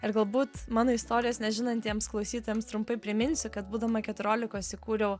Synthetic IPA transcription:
ɪɾɡɐlˠbuːt̪mɑːnoːɪst̪oːɾʲɪjoːsnʲɛʒʲɪnɐnt̪ʲiɛmsklˠɐʊsʲiːt̪oːjɛmst̪ɾʊmpɐɪpʲɾʲɪmʲɪnʲsʲʊkɐt̪buːd̪ɐmɐkʲɛt̪ʊɾʲoːlʲɪkoːsɪkuːɾʲɛʊ

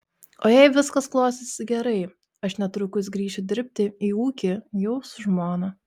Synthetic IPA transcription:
oːjɛɪʋʲɪskɐsklˠoːsʲɪsʲɡʲɛɾɐɪ | ɐʃnʲɛt̪ɾʊkʊs̬ɡɾʲiːʃʲɪd̪ʲɪɾʲpʲt̪ʲɪiːuːkʲɪjɛʊsʊʒmoːnɐ

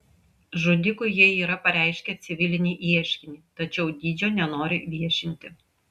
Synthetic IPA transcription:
ʒʊd̪ʲɪkʊɪjiɛiːɾɐpɐɾʲæˑɪʃʲkʲɛt̪sʲɪʋʲɪlʲɪnʲiːʔiɛʃʲkʲɪnʲiːt̪ɐt͡ʃʲɛʊd̪ʲiːd͡ʒʲoːnʲɛnoːɾʲɪʋʲiɛʃʲɪnʲt̪ʲɪ

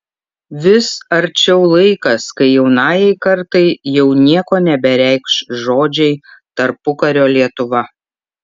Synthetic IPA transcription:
ʋʲɪsɐɾʲt͡ʃʲɛʊlˠɐɪkɐskɐɪjɛʊnɑːjɛɪkɐɾt̪ɐɪjɛʊnʲiɛkoːnʲɛbʲɛɾʲæɪkʃʒoːd͡ʒʲɛɪt̪ɐɾpʊkɐɾʲoːlʲiɛt̪ʊʋɐ

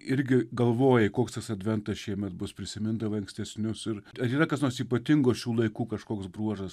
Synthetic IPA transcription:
ɪɾʲɡʲɪɡɐlˠʋoːjɛkoːkst̪ɐsɐd̪ʲʋʲɛnt̪ɐsʃʲiɛmʲɛt̪̚bʊspʲɾʲɪsʲɪmʲɪnd̪ɐʋɐɐŋksʲt̪ʲɛsʲnʲʊsɪɾɐɾiːɾɐkɐsnoːrsiːpɐt̪ʲɪŋɡoːʃʲuːlˠɐɪkuːkɐʃkoːksbɾuɔʒɐs

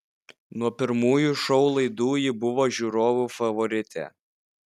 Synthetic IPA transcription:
nuɔpʲɪɾmuːjuˑʃɔʊlˠɐɪd̪uːjɪbʊʋoːʒʲuːɾoːʋuːfɐʋɔɾʲɪt̪ʲɛ̰

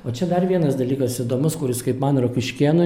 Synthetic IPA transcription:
oːt͡ʃʲɛd̪ɐrʋʲiɛnɐsd̪ɐlʲiːkɐsɪd̪oːmʊskʊɾʲɪskɐɪpmɐnrokʲɪʃʲkʲiɛnʊ

